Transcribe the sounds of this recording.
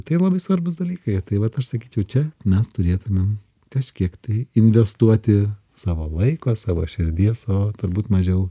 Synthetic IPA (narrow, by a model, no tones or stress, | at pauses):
t̪ɐɪlˠɐbɐɪsʋɐrbʊsd̪ɐlʲiːkɐɪt̪ɐɪʋɐt̪ɐʃsɐkʲiːt͡ʃʲɛʊt͡ʃʲɛmʲɛst̪ʊɾʲeːt̪ʊmʲɛm | kɐʃʲkʲiɛkt̪ɐɪɪnʲʋʲɛst̪uɔt̪ʲɪ | sɑːʋoːlˠɐɪkoːsɑːʋo̰ːʃʲɪɾʲd̪ʲiɛsoːt̪ʊɾbuːt̪mɐʒʲɛʊ